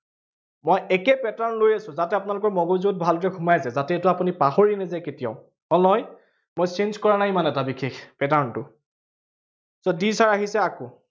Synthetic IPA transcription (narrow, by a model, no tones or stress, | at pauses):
mojɛkɛpɛtaɹnlojasʊ̃zatɛapʊnalʊkɔɹmɔɡozuɔt̚bʱaldɔɹɛkʰumajzɛzatɛːtʊapunipaxɔɹinɛzɛketija̰ʊ | ɔnj | mojsenzkɔɹanajmanɛtabikʰexpɛtaɹntʊ | sɔdisaɹaɦisɛako